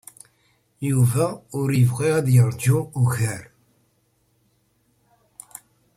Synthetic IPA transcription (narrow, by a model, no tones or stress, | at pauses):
juvæʊɾjəvʁiʁæðjəɾˤd͡ʒuuʝæɾ